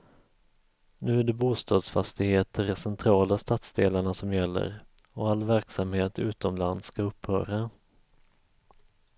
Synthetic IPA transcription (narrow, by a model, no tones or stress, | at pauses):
nʉ̟ːæɖɛbuːst̪ʰɑːd̪sfast̪ɪɡheːt̪ʰəɾɛsɛnt̪ʰɾɑːlast̪at̪sd̪eːlaɳasɔmjɛlːə̰ɾ | ɔalːvæɾksamheːt̪ʉ̟̰ːt̪ɔmland̪skaɵpːhœ̰ːɾa